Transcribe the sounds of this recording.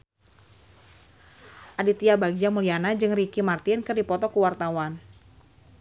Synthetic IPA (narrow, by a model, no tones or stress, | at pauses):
ʔadit̪iabaɡd͡ʒamulianad͡ʒɨŋrikimart̪ɪnkɨrdipɔt̪ɔkuwart̪awan